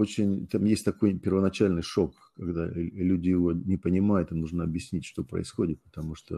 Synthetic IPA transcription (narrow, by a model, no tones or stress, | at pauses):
ot͡ɕɪnʲt̪amjesʲtʲt̪ɐko̞jpʲɪrvənɐt͡ɕælʲnɨjʂo̞k | kːɐɡd̪alʲudʲɪjɪvo̞nʲɪpənʲɪmajʊt̪ɨnuʐnəɐbjɪsʲnʲitʲʂt̪o̞pɾə̰ɪsxo̞dʲɪt̪̚pə̥t̪ɐmuʂt̪o̰